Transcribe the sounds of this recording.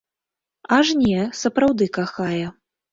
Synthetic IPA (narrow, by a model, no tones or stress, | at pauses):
ɐʐnʲɛsɐpɾawd̪ɨkaxajɛ